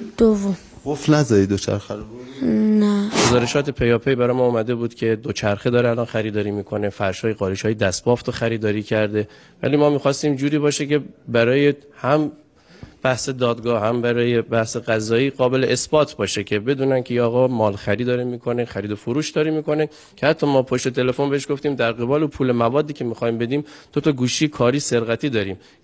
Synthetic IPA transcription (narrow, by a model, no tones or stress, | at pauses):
d̪̥ovːo | ɡofnæzɒːɾid̪ot͡ʃʰæ̰ɾxæɾ | næɡozɒːɾeʃɒːt̪ʰe̞pʰejɒːpʰejbæɾɒːjemɒːuːmæd̪e̞buːd̪cʲʰe̞d̪ot͡ʃʰæɾxed̪ɒːɾeælɒːnxæɾiːd̪ɒːɾiːmiːkʰo̞ne̞fæɾʃhɒːjeɣɒːɾiʃhɒːjed̪æsbɒːft̪ʰoxæɾiːd̪ɒːɾiːcʰæɾd̪e̞ | væ̰liːmɒːmiːxɒːst̪iːmd͡ʒuːɾiːbɒːʃece̞bæɾɒːje̞hæm | b̥æhse̞d̪ɒːd̪ɡɒːhæmbæɾɒːje̞bæhseɡæzɒːiːɢɒːbe̞le̞ʔesb̥ɒːt̪ʰbɒːʃecʲʰe̞be̞d̪uːnænkʲʰejiɒːɣɒːmɒːlxæɾiːd̪ɒːɾemiːkʰo̞nexæɾiːd̪ofoɾuːʃd̪ɒːɾimiːko̞ne̞ | cʰehæt̪ʰːɒmɒːpʰoʃt̪e̞t̪ʰe̞le̞fo̞nbeeʃɡo̞ft̪iːmd̪æɾɣe̞bɒːleuːpʰuːle̞mævɒːd̪ːiːcʰe̞mixɒjmbe̞d̪iːmd̪̥ot̪ʰɒɡuːʃiːkʰɒːɾiːse̞ɾɣæt̪ʰiːd̪ɒːɾiːm